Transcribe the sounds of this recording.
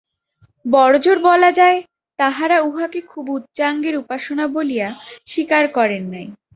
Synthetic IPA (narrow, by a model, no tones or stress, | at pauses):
bɔɾd͡ʑoɾbɔlad͡ʑae | t̪aɦaɾauɦakekʰubut̪ːt͡ɕaŋɡeɾupaʃonabolijaʃikaɾkɔɾenːaj